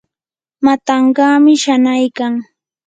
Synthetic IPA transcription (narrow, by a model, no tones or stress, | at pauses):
mat̪ɑɴɢɑːmɪʃanajkaŋ